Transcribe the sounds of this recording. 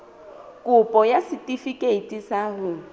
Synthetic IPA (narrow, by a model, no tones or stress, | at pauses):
kʼʊpʼɔjasitʼifikʼeitʼisaːhʊ